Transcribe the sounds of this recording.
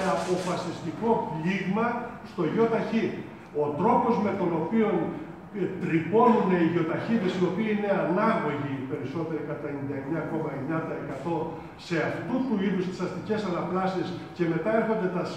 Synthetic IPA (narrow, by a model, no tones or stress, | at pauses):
ɐpo̞fɐsist̪iko̞fliɣmɐst̪o̞ʝo̞t̪ɐçi | o̞t̪ɾo̞po̞zme̞t̪o̞no̞pio̞n | t̪ɾipo̞nune̞iʝo̞t̪ɐçiðesio̞piiine̞ɐnɐɣo̞ʝipe̞ɾiso̞t̪e̞ɾikɐt̪ɐenind̪ɐeɲɐːko̞mɐeɲɐnd̪ɐekɐt̪o̞ | se̞ɐft̪ut̪uiðust̪i̥sɐst̪ice̞sɐnɐplɐsiesce̞me̞t̪ɐe̞ɾxo̞nd̪e̞t̪ɐs